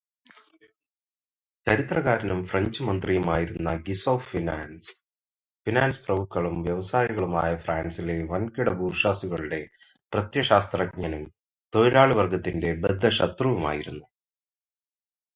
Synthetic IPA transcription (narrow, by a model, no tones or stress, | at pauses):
t͡ɕɐɾit̪rɐɣaːɾɐnumfrɐɲd͡ʑɨmɐnd̪rijɐmaːjiɾunːɐɡisoːffinaːns | finaːnsprɐmukːɐɭumʋjɐʋɐsaːjiɣɐɭuma̰ːjɐfraːnsileʋɐnkiɽɐbuːrʂaːsiɣɐɭuɽe̞ | prɐt̪jɐɕaːst̪rɐk̚ɲɐnum | t̪o̞jiɾaːɭɨʋɐrɡɐt̪ːinde̞bed̪ʱːɐɕɐt̪ruʋuma̰ːjiɾunːu